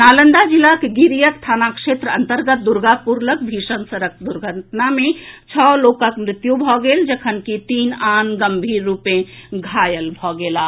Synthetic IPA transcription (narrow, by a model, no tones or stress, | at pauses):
nalənd̪ad͡ʒilːakeɡiɾijəst̪ʰanakʃet̪ɾəənt̪əɾɡət̪̚d̪uɾɡapuɾlək̚bʱisənsəɾəkʰd̪uɾɡʱəʈnamet͡ʃʰɔlokəkmɾɪt̪jubʱɔɡeld͡ʒəkʰənkit̪iːnanɡəmbʱiɾːupẽɡʱajəlbʱɔɡela